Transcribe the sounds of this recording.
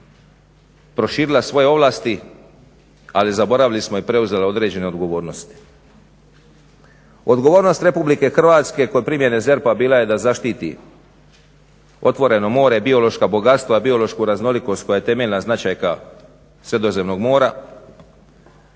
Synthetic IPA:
pɾo̞ʃiːɾilasʋo̞jeo̞ʋlˠaːst̪i | alizabo̞ɾaʋilismoipɾe̞uze̞leo̞d̪ɾe̞d͡ʑe̞ne̞o̞d̪ɡo̞ʋo̞ːɾno̞st̪i̥ | o̞d̪ɡoʋo̞ːɾno̞st̪ɾe̞publike̞xr̩ʋaːt̪ske̞kojepɾimje̞ne̞ze̞ɾpabiːlajed̪azaʃt̪iːt̪ḭ | o̞t̪ʋo̞ɾe̞no̞mo̞ːɾebio̞lo̞ʃkabo̞ɡat̪st̪ʋoibio̞lo̞ʃkuɾazno̞liko̞st̪̚ko̞jajet̪e̞me̞ʎʲnaznat͡ʃajka | sɾe̞d̪o̞ze̞mno̞ɡmo̞ːɾa

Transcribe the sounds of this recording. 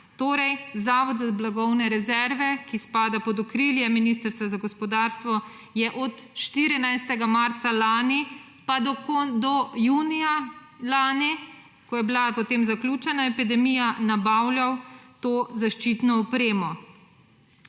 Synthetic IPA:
t̪oːɾɛjzaːʋɔd̪zablaɡɔwnɛɾɛzɛɾʋɛkispaːd̪apɔd̪ɔkɾiːljɛminist̪əɾst̪ʋazaɡɔspɔd̪aːɾst̪ʋɔ | jɛʔɔt̪ʃt̪iɾinajst̪ɛɡamaɾt̪salaːni | pad̪ɔkod̪ɔjuːnija | laːni | kɔjɛbilapɔt̪eːmzaklʲuːt͡ʃɛnaɛpid̪ɛmiːjanabawljawt̪oːzaʃt͡ʃiːt̪nɔɔpɾeːmɔ

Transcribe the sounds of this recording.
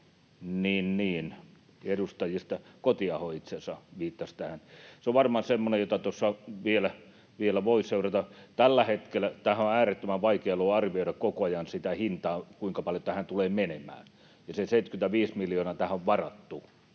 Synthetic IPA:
niːnniːn | edust̪ɑjist̪ɑkot̪iɑhoit̪sensɑʋiːt̪ːɑst̪æhænseoʋʋɑrmɑnsemːonejot̪ɑt̪osːɑʋielæ | ʋielæʋoiseurɑt̪ɑt̪ælːæhet̪kelːˑæt̪æhæoæːret̪ːømæʋʋɑikeɑloːɑrʋioiɾɑkkokoɑjɑnsit̪æhint̪ɑːkuiŋkɑpɑljot̪æhænt̪uleːmenemæ̰ːn | jɑseseit̪kynt̪æʋiːsmiljoːnɑːt̪æhæoʋʋɑrɑt̪ːu

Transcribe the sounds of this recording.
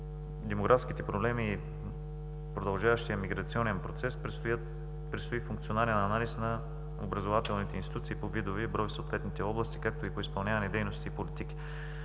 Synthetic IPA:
d̪ɛmoɡɾʔafskit̪ɛpɾoblɛmiː | pɾod̪ɐlˠʒavɐʃt̪ijɐmiɡɾɐt̪siɔnɛnpɾot̪sɛs | pɾɛt̪st̪oifuŋkt̪sionaɾɛnɐnalisnɐ | o̰bɾɐzovat̪ɛlˠnit̪ɛinst̪i̥t̪ut̪siːpovid̪ovɛbɾɔjsɐot̪vɛt̪nit̪ɛɔblˠɐst̪i̥kak̚t̪oipoispɐlˠnʲavɐnɛd̪ɛjnost̪iːpolit̪ik̟i̥

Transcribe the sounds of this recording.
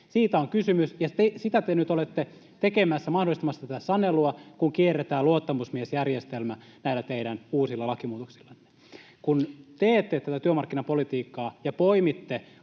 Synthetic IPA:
siːt̪æoŋkysymysjɑt̪esit̪æt̪enyt̪olet̪ːe | t̪ekemæsːæmɑhdolist̪ɑmɑst̪æt̪æsɑneluɑkuŋkierːet̪æːluot̪ːɑmusmiesjærjest̪elmæ | næilːæt̪eiɾænuːsilːɑlɑkimuːt̪oksi̥lːɑnːe̥ | kunt̪eːt̪ːet̪æt̪æt̪yømɑrkːinɑpolit̪iːkːɑːjɑpoimit̪ːe

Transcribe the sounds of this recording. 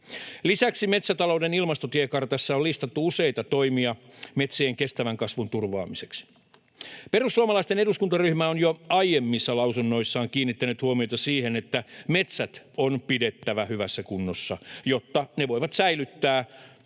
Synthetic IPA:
lisæksime̞t̪sæt̪ɑlo̞ude̞nilmɑst̪ot̪iekɑrt̪ɑsːɑollist̪ɑt̪ːuuse̞jt̪ɑt̪o̞jmiɑme̞t̪seːŋke̞st̪æʋæŋkɑsʋunt̪urʋɑ̰ːmise̞ks | pe̞rusːuɑmɑlɑist̪e̞neduskunt̪ɑryhmæonjoɑjemːisːɑlɑwsunːo̞isːɑːŋkiːnːit̪ːænyt̪huomiot̪ɑsiːhe̞net̪ːæme̞t̪sæt̪ | onpide̞t̪ːæʋæhyʋæsːækunːosːɑjo̞t̪ːɑneʋo̞jʋɑt̪sæilyt̪ːæː

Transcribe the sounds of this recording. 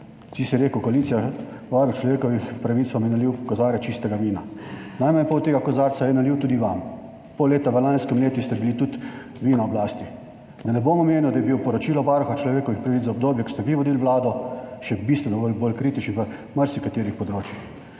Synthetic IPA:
t̪isjɛɾeːkəwkɔaliːt̪ijaʋaɾut͡ʃlɔʋeːkɔʋixpɾaʋit̪sʋamjɛnaliwkɔzaːɾɛt͡ʃist̪ɛɡaʋiːnanajmanpot̪eːɡakɔzaːɾsajɛnaliwt̪uːd̪iʋam | poleːt̪aʋəlanskimleːt̪jist̪ɛbilit̪ut̪ | ʋiːnɔɔblaːst̪i | d̪anɛboːmɔmeːniwd̪ajɛbiwpɔɾɔt͡ʃiːlɔʋaːɾuxat͡ʃlɔʋeːkɔʋixpɾaʋit̪zzaɔbd̪oːbjɛkɔ̥st̪ɛʋiʋɔd̪iːlʋlaːd̪ɔʃɛbist̪ʋɛnɔbolboːlkɾiːt̪it͡ʃniʋə | məɾsikat̪eːɾixpɔd̪ɾoːt͡ʃjix

